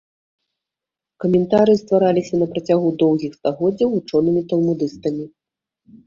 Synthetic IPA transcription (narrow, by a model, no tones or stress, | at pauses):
kɐmʲɛnt̪aɾɨst̪vaɾalʲisʲɐnɐpɾɐt͡sʲaɣud̪ɔwɣʲixst̪aɣɔd͡zʲɐwvut͡ʂɔnɨmʲit̪ɐlˠmud̪ɨst̪ɐmʲi